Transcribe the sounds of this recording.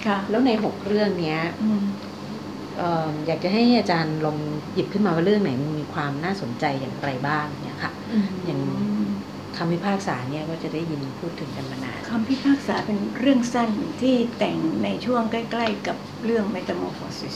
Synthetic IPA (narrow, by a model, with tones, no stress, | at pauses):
kʰa˦˥˩lɛː˦˥wna˧jɦo˨˩k̚ɾɯ˥˩əŋni˦˥ɐʔ | ʔɤː˨˩mjaː˨˩k̚t͡ɕa˨˩ɦa˥˩jʔaː˧t͡ɕaː˧nlo˧ŋji˨˩p̚kʰɯ˥˩nmaː˧waː˥˩ɾɯ˥˩əŋna˦jm˧miː˧kʰwaː˧mnaː˥˩so˩˦nt͡ɕa˧jːa̰ː˨˩ŋɾa˧jbaː˥˩ŋ˨˩ŋːi˦˥ɐkʰa˥˩ | ɯ˧ja˨˩ŋ | kʰa˧mpʰi˦˥˩pʰaː˥˩k̚saː˩˦ni˥ɐkɔː˥˩t͡ɕa˨˩daː˥˩ji˧npʰuː˥˩t̪ʰːɯ˩˦ŋka˧nma˧na̰ː˧nkʰa˧mpʰi˦˥˩pʰaː˥˩k̚saː˩˦pe˧nɾɯ˥˩əŋsa˥˩nt̪ʰiː˥˩t̪ɛ˨˩ŋna˧jt͡ɕʰu˥˩əŋkla˥˩jkla˥˩jka˨˩p̚ɾɯ˥˩əŋme˦t̪a˧moː˧foː˧si˦s